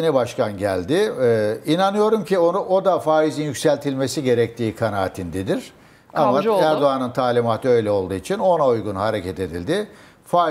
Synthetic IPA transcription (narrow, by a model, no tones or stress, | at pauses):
enibaʃkanɟælʲd̪ɪinanɯjo̞ɾumcʰio̞nuʔo̞d̪afaːizinjycsælʲt̪ʰilʲme̞siɟe̞ɾɛc̚t̪ʰiːkʰanaːt̪ʰind̪ɛd̪iɾ̥ | aaæɾd̪oanɯnt̪ʰaːlʲimaːt̪ʰɯø̞jlʲɛo̞lˠd̪uːit͡ʃʰino̞naujɡunhaɾecʰɛt̪e̞d̪ḭlʲd̪ɪ | faː